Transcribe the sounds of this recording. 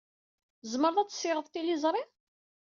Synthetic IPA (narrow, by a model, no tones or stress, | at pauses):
zməɾðˤæt͡sːsːɪʁəðˤt̪ilizˤɾˤi